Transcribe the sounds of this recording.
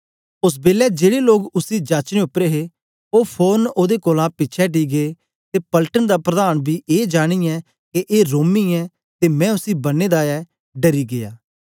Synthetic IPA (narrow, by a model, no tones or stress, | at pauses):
ʊs̬beːlɛd͡ʒeːɽeloːɡʊsid͡ʒaːt͡ʃneʊpːɾeːɦe | oːpʰoːnoːd̪ekoːlãːpɪtːt͡ʃʰɛʈiːɡee | t̪eːpəlʈənd̪aːpɾəd̪aːñbʱiːʔeːd͡ʒaːɽ̃iɛ | keʔeːɾoːmiɛː | t̪eːmɛ̃ːʊsiːbɐnːeːd̪aːɛ | ɖəɾiːɡejaː